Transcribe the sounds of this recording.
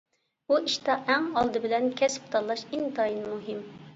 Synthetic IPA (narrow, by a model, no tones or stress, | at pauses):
uʔiʃt̪ɑʔɛŋɑlˠd̪ɨbɪlɛnkʲʰɛspt̪ʰɑlˠɑʃint̪ɑːjinmuɦim